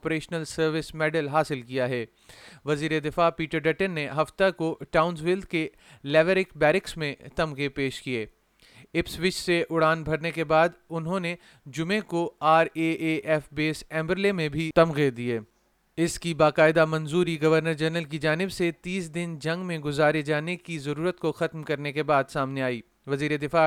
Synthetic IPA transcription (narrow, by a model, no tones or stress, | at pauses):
pɾeːʃnəlsɐɾʋɪsmɛːɖəlɦaːsɪlkijaɦɛː | ʋɐziːɾed̪ɪfaːpiːʈəɾɖɐʈənːeɦɐft̪akoʈaːʊnsʋɪld̪ke | lɛːʋəɾɪkbɛːɾɪksmẽt̪ɐmɣepeːʃkieː | ɪpsʋɪt͡ʃseʔʊɽaːnbʱɐɾnekebaːd̪ʊnɦõne | d͡ʒʊmẽkoaːɾeeʔɛfbeːsɛ̃ːmbəɾlemẽbʱit̪ɐmɣed̪ieː | ɪskibaːqaːɪd̪amɐ̃nzuːɾiɡɐʋəɾnəɾd͡ʒɛɾnəlk̬id͡ʒaːnɪbset̪iːsd̪ɪnd͡ʒɐ̃ŋɡmẽɡʊzaːɾed͡ʒaːnekizɐɾuːɾət̪koxɐt̪mkɐɾnekebaːd̪saːmneaːiː | ʋɐziːɾed̪ɪfaː